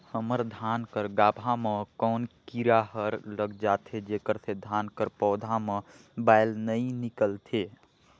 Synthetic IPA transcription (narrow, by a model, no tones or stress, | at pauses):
həməɾd̪ʱankəɾɡaːbʱamẽkɔːnkiɾaɦəɾləɡd͡ʒat̪ʰed͡ʒekəɾsed̪ʱankəɾpɔːd̪ʱamẽ | baɪlnəĩnikəlt̪ʰe